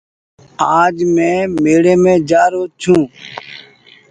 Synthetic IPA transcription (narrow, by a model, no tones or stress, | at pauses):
aːd͡ʒmẽːmeːɽẽːmẽːd͡ʒaːɾoːt͡ʃʰũː